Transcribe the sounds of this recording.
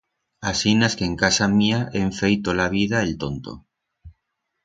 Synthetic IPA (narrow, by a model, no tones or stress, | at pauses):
asinaskeŋkasamiaʔeɱfejt̪olaβ̞iðaelt̪ont̪o̰